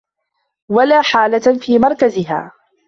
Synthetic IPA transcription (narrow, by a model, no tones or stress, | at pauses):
walaːħaːlafiːmɑɾˤkazɪɦa̰ː